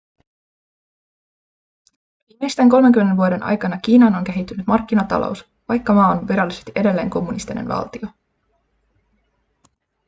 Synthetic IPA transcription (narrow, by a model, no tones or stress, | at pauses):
ʋiːmejst̪æŋko̞lmeŋkymːenːeʋuode̞nʔɑ̰jkɑnɑk̟iːnɑno̞ŋk̟eɦit̪ːynyt̪mɑrk̟ːinɑt̪ɑ̰lo̞̰ws | ʋɑjkːɑmɑːonʋiɾɑlːise̞st̪iʔe̞de̞lːe̞ːŋko̞mːunist̪inḛnʋɑ̰lt̪io̞